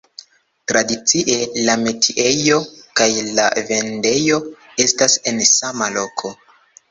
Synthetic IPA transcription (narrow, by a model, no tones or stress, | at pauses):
tɾadit͡siʔe̞lame̞tʰiʔe̞jo̞kajla̰ve̞nde̞jo̞ | e̞stase̞nsamalo̞kʰo̞